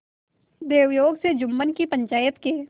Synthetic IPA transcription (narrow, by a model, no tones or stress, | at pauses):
d̪eːʊjoːɡsed͡ʒʊmːənkipə̃ɲt͡ʃaːjət̪ke